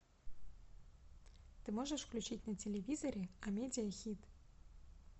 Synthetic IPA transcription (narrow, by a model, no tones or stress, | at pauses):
t̪ɨmɔʐɛʂklʲut͡ɕitʲnɐt͡sʲelʲevʲizɐɾʲɛɐmʲedʲɪjɐxʲit̪